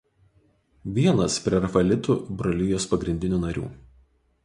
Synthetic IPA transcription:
ʋʲiɛnɐspʲɾʲɛɾɐfɐlʲɪt̪ubɾɐlʲuːjoːspɐɡɾʲɪnʲd̪ʲɪnʲuːnɐɾʲṵː

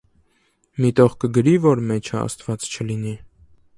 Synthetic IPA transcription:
mit̪ɔʁkəɡəɾivɔɾmɛt͡ʃʰəɑ̰st̪vɑt͡st͡ʃʰəlini

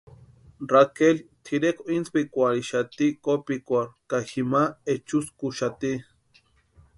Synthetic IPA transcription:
rakelt̪ʰiɾekʰoinspikʷaɾiʃat̪ikopikʷaɾkaximaet͡ʃuskuʃat̪i

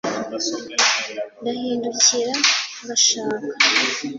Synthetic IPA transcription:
ndahiːnduciɾa | βaʃaːkḁ

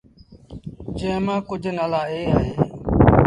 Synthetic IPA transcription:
d͡ʒẽːmãːkʊd͡ʒʱnaːlaːɦeːaːɦeː

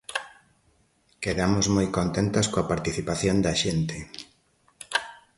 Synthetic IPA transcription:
keðamʊzmojkont̪ent̪ɐskoɐpaɾt̪iθipaθjond̪ɐʃent̪e

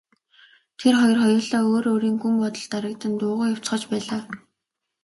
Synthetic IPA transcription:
t̪ʰerχɔjɞ̆rχɔjʊːɮaːoːɾoːɾiːŋɡumpɔt̪ɞ̆ɮt̪aɾə̆k̚t̪ə̆nt̪ʊːʁʊːjaw̥t͡sχə̆t͡ɕpæːɮaː

